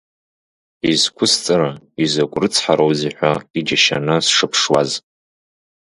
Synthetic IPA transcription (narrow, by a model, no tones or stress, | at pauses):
izkʷʰʊst͡sʼɨɾa | izakʷʼrɨt͡sʰħaɾowziħʷᶣaid͡ʒaʃa̰nɨsʂɨpʰʂwa̰z